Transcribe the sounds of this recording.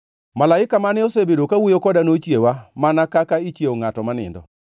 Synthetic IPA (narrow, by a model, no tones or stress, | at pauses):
malaɪkamanɪɔsebedokawujokɔdanot͡ʃjewamanakakait͡ʃjeoŋatɔmanɪ̰ndɔ̰